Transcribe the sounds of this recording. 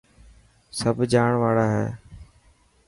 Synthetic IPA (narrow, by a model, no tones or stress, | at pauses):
səbʱd͡ʒaːɳʋaːɽaːɦɛ̰ː